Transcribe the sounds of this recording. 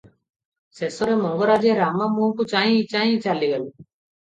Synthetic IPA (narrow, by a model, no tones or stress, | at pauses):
sesoɾemɔŋɡoɾaːd͡ʒeɾaːmaːmuɦkut͡ʃaːɦĩt͡ʃaːɦĩt͡ʃaːliɡɐlu